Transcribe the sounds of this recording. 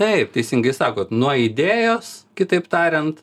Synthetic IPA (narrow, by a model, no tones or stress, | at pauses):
t̪ɐɪp̚t̪ʲɛɪsʲɪŋɡɐɪsɑːkoːt̪nuɔɪd̪ʲeːjoːskʲɪt̪ɐɪpt̪ɑːɾʲɛnt̪